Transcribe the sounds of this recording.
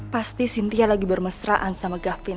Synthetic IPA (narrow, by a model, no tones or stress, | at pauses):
past̪isint̪ialaɡibərməsɾaʔansamaɡafɪn